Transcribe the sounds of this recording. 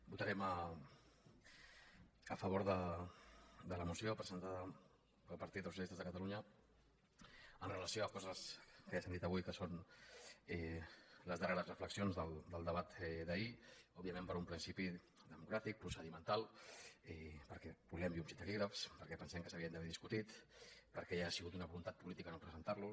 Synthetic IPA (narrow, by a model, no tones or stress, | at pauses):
but̪əɾɛmə | əfəβ̞oɾðə | d̪ələmusiopɾəzənt̪aðə | pəlˠpəɾt̪it̪əls̬unist̪əzðəkət̪əluɲə | ənrələsioəkɔzəskəjasand̪it̪əβujkəson | ɛləzðəreɾəzrəfləksionzðəlˠd̪əlˠd̪əβ̞at̪ɛðəiɔbiəmẽmpəɾumpɾinsipi | ðəmukɾat̪ik̚pɾusəðimənt̪alˠɛpəɾkɛbulɛmbiunsit̪əkiɣɾəfspəɾkɛpənsɛmkəsəβiənd̪əβɛðiskut̪it̪pəɾkɛjaːsiɣut̪unəβulunt̪at̪̚pulit̪ikənopɾəzənt̪aɾlu